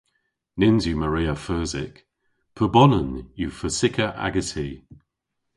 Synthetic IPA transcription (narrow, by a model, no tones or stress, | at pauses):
nɪnzjuməɹiːəfɜːzɪ̰k | pʰəbɔnənjufəsɪkʰəʔa̰ɡəsi